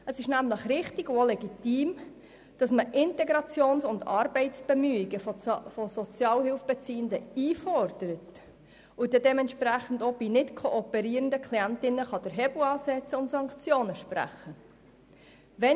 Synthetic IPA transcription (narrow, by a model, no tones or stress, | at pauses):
əsɪʃnæmləχɾɪχtɪɡʊolɛɡitiːm | d̥ɑsməʔɪntɛɡɾɑt͡sjoːnsʊndɑ̰ːɾbɛɪtt͡sb̥ɛmyːiɡəfɔsɔt͡sjɑːlhɪlfb̥ɛt͡siːəndəiːfɔɾd̥əɾət | ʊd̥idɛmɛntʃpɾæχən̩dob̥inɪtkʰoʔːpɛɾiːɾəndəkʰliæntɪnːəχɑd̥əɾɦɛbl̩ɑːsɛt͡səʊntsɑŋkt͡sjoːnəʃpræ̰χə | ʋɛ